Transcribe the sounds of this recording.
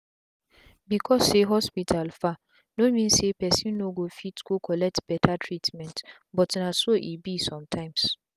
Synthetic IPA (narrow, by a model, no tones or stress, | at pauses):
bikʰɔsːeɦɔspitʰalfa | nomĩnsepɛsĩnnːoɡofitkokʰɔlɛk̚tb̥ɛtʰatʰɹitmɛ̃nt | bɔtnasoʔibisɔ̃mtʰãɪ̃ms